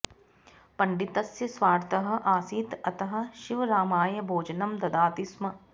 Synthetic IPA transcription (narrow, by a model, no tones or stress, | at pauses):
pɐɳɖit̪ɐsjɐsʋaːɾt̪ɐɦɐ̆ʔaːsiːt̪ɐt̪ɐɦɐ̆ʃiʋɐɾaːmaːjɐbʱoːd͡ʒɐnɐmd̪ɐd̪aːt̪ismɐ